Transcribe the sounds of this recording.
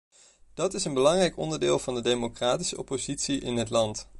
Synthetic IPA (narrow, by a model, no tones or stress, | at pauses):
d̥ɑtɪsənbəlɑŋrɛjkɔ̰ndəɹdɪːlˠvɑndədejmokraːti̥səɔ̰pozitsiʔɪ̰nɦətlɑnt